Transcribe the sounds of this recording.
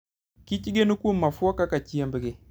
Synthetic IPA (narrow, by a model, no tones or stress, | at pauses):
kit͡ʃiɡenukumːafuakakat͡ʃiambəɡe